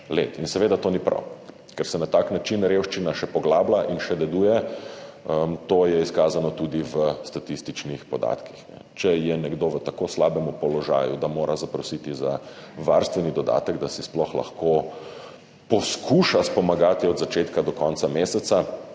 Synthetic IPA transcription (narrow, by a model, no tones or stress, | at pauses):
lḛt̪insɛʋeːd̪at̪oːnipɾa̰w | kɛɾsɛnat̪aːknat͡ʃinɾewʃt͡ʃinaʃɛpɔɡlaːblaʔinʃɛd̪ɛd̪uːjɛ | ət̪ojɛiskaːzanɔt̪ud̪iʋəst̪at̪ist̪it͡ʃnixpɔd̪a̰ːt̪kixnɛ̰t͡ʃɛjɛnɛɡd̪oʋət̪akoslaːbɛmupɔlɔʒa̰ːjud̪amoːɾʔazapɾɔsit̪izaʋa̰ɾst̪ʋɛnid̪ɔd̪a̰ːt̪əɡd̪asisplɔxla̰xko | pɔskuːʃaspɔmaɡat̪iɔd̪zat͡ʃeːt̪kad̪ɔkɔnt̪sameːsɛt̪sa